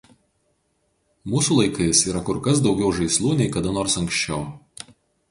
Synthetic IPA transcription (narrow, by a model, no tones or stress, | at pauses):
muːsuːlˠɐɪkɐɪsiːɾɐkʊɾkɐsd̪ɒʊɡʲɛʊʒɐɪslˠuːnʲɛɪkɐd̪ɐnoːɾsɐŋʲksʲt͡ʃʲɛʊ